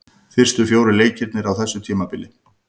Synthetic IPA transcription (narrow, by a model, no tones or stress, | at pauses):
fɪr̥st̪ʏɾfjoːwɾɪleːjcɪɾt̪nɪɾawθɛsːʏt̪ʰiːmapɪlːɪ